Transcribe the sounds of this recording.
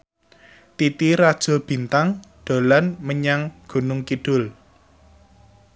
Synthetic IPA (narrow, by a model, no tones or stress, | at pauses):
t̪it̪iɾad̥ʒ̥o̤b̥i̤nt̪aŋɖ̪̥o̤lanməɲaŋɡ̥ṳnʊŋkiɖ̥ʊ̤l